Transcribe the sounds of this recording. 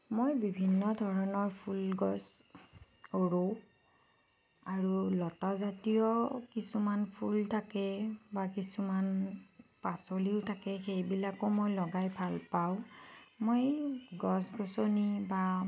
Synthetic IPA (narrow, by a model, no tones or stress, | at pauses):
mojbibʱinːɔdʱɔɹɔnɔɹpʰulɡɔs | oɹu | aɹulɔtazatijɔkisumanpʰultʰakɛbakisumanpasoliʊtʰakɛxejbilakɔmojlɔɡajbʱalpaʊ̃mojɡɔsɡɔsoniba